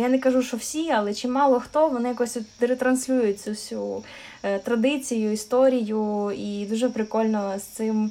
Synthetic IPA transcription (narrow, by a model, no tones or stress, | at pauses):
janɛkɐʒuʃɔwsʲiɐlˠɛt͡ʃɪmːɑlˠɔxt̪ɔʋɔnɪjɐkɔsʲʋʲit̪d̪ɾet̪ɾɐnsʲlʲujʊt̚ʲt͡sʲusʲu | t̪ɾɐd̪ɪt͡sʲijʊist̪ɔɾʲijʊid̪uʒɛpɾɪkɔlʲnɔst̪sɪm